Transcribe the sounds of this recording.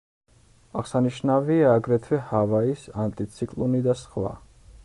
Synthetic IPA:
aʁsaniʃnaviaːɡɾɛt̪ʰvɛhavaisant̪ʼit̪sʰikʼlˠunid̪asχwa̰

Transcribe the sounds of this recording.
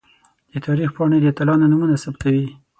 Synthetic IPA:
d̪̥ət̪ʰɑɾixpɑɳəjd̪ət̪alɑnonumunasabt̪awi

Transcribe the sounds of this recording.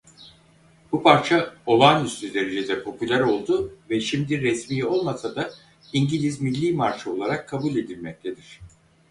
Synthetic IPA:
b̥upʰaɾt͡ʃʰao̞lˠanyst̪ʰyd̪e̞ɾe̞d͡ʒed̪ɛpʰo̞pylʲæɾo̞lˠd̪uvɛʃimd̪iɾɛsmiːo̞lˠmasad̪a | iɲɟilʲizmilʲːiːmaɾt͡ʃʰao̞lˠaɾakʰːabuːlʲe̞d̪ilʲmɛc̚t̪ʰe̞d̪iɾ̥

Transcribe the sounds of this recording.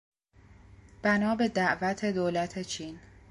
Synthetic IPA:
b̥ænɒːbe̞d̪æʔvæt̪ʰe̞d̪oːlæt̪ʰe̞t͡ʃʰiːn

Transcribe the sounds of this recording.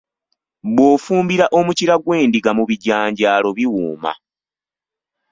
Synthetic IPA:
βwoːfuːmbiɾaʔo̞muciɾaɡwe̞ːndiɡamuβiɟaːɲɟaːlo̞βiwuːma̰

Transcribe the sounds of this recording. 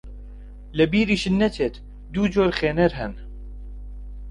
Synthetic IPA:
lɛbiːɾiːʃɨnːɛt̪ʰeːt̪ | d̪uːd͡ʒoːɾxeːnɛɾɦɛn

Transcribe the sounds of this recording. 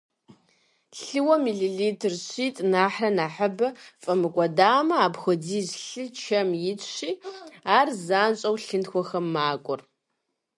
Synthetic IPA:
ɬɨwɐmiːɮiɮiːtʰɨrɕiːtʼnaːħrɐnaːħɐbɐfʼɐmɨkʷʼɔdaːmɐaːbxʷɔdiːʑɬɨt͡ʃʰɐmjɪɕiːaːrzaːnt͡ʃʼɐwɬɨntxʷɔxɐmːaːkʷʼʊr

